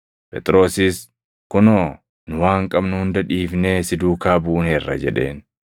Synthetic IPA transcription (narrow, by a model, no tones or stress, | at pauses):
pʼɛ̰t̪ʼɾo̞ːsiːs | kʊnoː | nʊwaːŋkʼɐbnʊhʊnd̪ɐᶑiːfneːsɪd̪uːkaːbuʔneːrːɐ̰d͡ʒɛ̰ᶑe̞̰ːn